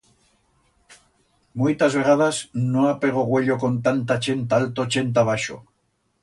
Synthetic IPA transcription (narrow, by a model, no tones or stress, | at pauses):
mujt̪azβeɣaðasnoapeɣ̞oɣwe̞ʎoko̞nt̪ant̪at͡ʃe̞nt̪aalt̪ot͡ʃe̞nt̪̬aβaʃo̰